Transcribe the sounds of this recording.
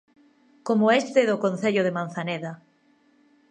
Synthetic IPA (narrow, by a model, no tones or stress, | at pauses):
komoest̪eðʊkon̟θeʎʊðeman̟θaneða